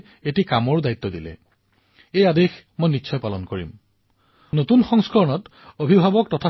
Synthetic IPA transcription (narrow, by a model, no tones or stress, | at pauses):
etikamɔɹdajit̪ːɔdilɛ̰ | ejadex | mojnitːsʰɔjpalɔnkoɹḭm | notunxɔŋskɔɹɔnɔt | obʱibʱabɔk̚tɔtʰa